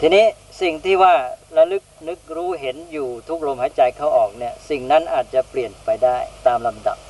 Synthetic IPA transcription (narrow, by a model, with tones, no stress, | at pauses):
t̪ʰiː˧niː˦˥˩ | si˨˩ŋt̪ʰiː˥˩waː˥˩ɾa˧˥lɯ˦˥k̚nɯ˦˥k̚ɾuː˦˥ɦe˩˦njuː˨˩t̪ʰu˦˥k̚ɾo˧mhaː˩˦t͡ɕa˧jkʰaː˥˩wʔɔː˨˩k̚ni˥˩ɐsi˨˩ŋna˦˥nʔaː˨˩t̪̚t͡ɕa˨˩pli˨˩ənpa˧jdaː˥˩jt̪aː˧mla˧mda̰˨˩p̚